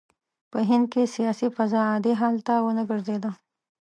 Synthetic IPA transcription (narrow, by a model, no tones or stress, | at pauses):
pəɦɪ̃nd̪̚kesijaːsifɐzaãːd̪eɦaːlt̪awənɐɡɐɾzeːd̪aː